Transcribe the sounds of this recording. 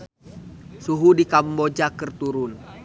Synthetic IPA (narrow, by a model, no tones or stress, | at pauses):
suɦudikambod͡ʒakərt̪uɾun